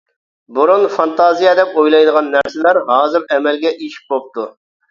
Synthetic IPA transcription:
buɾunfɑnt̪ɑːzijɛd̪ɛpojlˠɑjd̪əʁɑnːæɾsɪlæɾɦɑːzɨɾɛmɛlɡʲɛʔeʃi̥p̚bop̚t̪ʰu

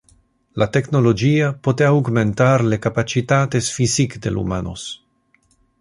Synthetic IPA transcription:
late̞kno̞lo̞d͡ʒiapo̞teawɡme̞ntaɾlekapat͡ʃitate̞sfisikdelṵmano̰s

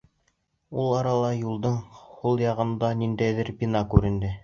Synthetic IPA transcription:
ulˠɑɾɑlˠɑjulˠd̪ɤɴχulˠjɑʁɤ̆nd̪ɑnind̪æjðɘɾpʲinɑkʉɾɘ̆nd̪ɘ

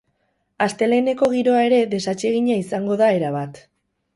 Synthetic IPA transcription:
ast̪e̞le̞ne̞ko̞ɣ̞iɾo̞ae̞ɾe̞ðe̞sat͡ʃe̞ɣ̞iɲaisaŋɡo̞ðae̞ɾaβ̞at̪

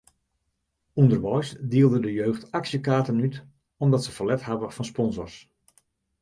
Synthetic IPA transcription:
undərʋɔjsdiəlˠdədəjøːxtaksjəkaːtənyt | ɔmdɑtsəfəlɛthavəfɑnspɔnzɔ̰rs

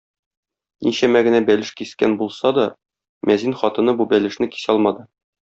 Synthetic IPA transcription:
niɕæmæɡɘ̆næbælɘʃkiskænbulˠsɑd̪ɒ | mæzinχɒt̪ɤ̆nɤbubælɘ̆ʃnɘki̥sɒlˠmɑd̪ɤ

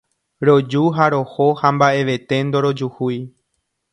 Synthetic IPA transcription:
ɾo̞d͡ʒuɦaɾohohambaʔe̞ʋe̞t̪e̞nd̪o̞ɾod͡ʒuhuj

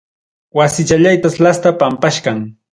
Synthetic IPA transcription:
wasɪt͡ʃaʎajt̪aslast̪apampaʃɢɑŋ

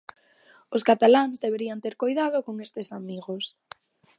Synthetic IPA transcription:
ʊskat̪alaŋzðeβeɾiant̪eɾkojðað̞ʊkoŋest̪esamiɣos

